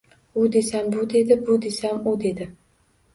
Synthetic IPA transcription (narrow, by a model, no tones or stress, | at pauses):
ʊd̪e̞sambʊd̪e̞d̪ɪbʊd̪e̞samʊd̪e̞d̪ɪ